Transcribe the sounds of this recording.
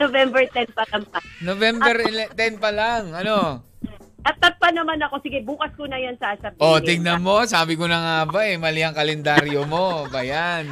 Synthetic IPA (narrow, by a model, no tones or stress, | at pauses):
novɛmbɛɹt̪ɛnpɐlɐŋpɐnovɛmbɛɾɪlɛt̪ɛnpɐlaŋɐno̞ | ʔɐt̪ːɐt̪̚pɐnɐmanɐko̞sɪɡɛbuːkɐskonɐjansaːsɐb̚ʔot̪ɪɡnɐmo̞saːbɪkonɐŋaːbaʔɛmɐlɪɐŋkɐlɛnd̪aɾjomo̞bɐjan